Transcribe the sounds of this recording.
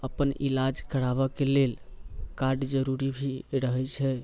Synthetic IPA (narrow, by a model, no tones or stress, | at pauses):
əpənʔḭlad͡ʒkəɽaβəkelelkaɾɖd͡ʒəɾuɾibʱiɾəɦɛt͡ʃʰɛ